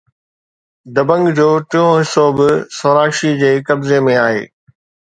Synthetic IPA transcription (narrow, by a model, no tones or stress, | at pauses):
d̪ɐbə̃ŋɡd͡ʑoːʈɪõɦɪsobɪsoːɾaːkʃid͡ʑeːkɐbzemẽaːɦḛː